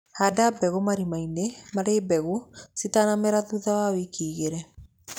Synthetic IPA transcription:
hadabɛɣomaɾimainemaɾeːbɛɣusitanameɾaðuðawawekʰiːɣeɾɛ

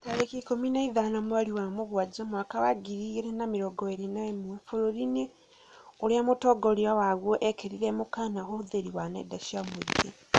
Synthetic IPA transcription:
taɾekikominaiðanamuwaliwamuɣwad͡ʒamwakawaɡiɾiɾenamiɾoɡoeɾenaemuefuɾoɾine | oɾiamotoɡoɾiawaɣwoʔekeɾiɾemukanaxoðeɾiwanḛdaʃiamwee

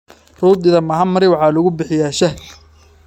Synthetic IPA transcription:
ruːɪðɐmɐɦɐmɐɾɪwɑħɑːlʊɣʊbɪħɪjaːʃɐɦl

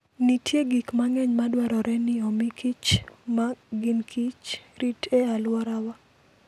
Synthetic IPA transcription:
nitjeɡikmaŋɛɲmadwaɾɔɾʔɛnɪɔmɪkʰit͡ʃmaɡinkʰit͡ʃɾitʰɛalwɔɾawa

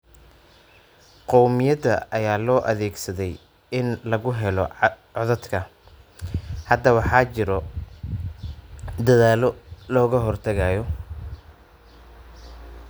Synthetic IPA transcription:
qɔwmɪjɐd̪ɐʔɐjaːlɔːʔɐðɛːɡsɐðɛj | ɪnlɐɣʊɦɛlɔ | ɔðɐd̪kʰɐ | hɐd̪ɐwɑħɑːt͡ʃɪɾɔ | d̪ɐðaːlɔlɔːɣɐɦɔrt̪ʰɐɣaːjɔ

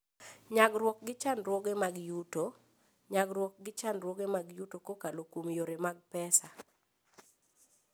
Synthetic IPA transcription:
ɲaɡɾwɔk̚ɡɪt͡ʃanɾwɔɡemaɡjuto | ɲaɡɾwɔk̚ɡɪt͡ʃanɾwɔɡemaɡjutokokalokumjoɾemaɡ̚pɛsa

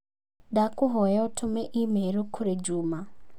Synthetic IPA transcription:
dakuɦɔjaɔtʰʊmɛʔimeɾukʰʊɾed͡ʒuːma

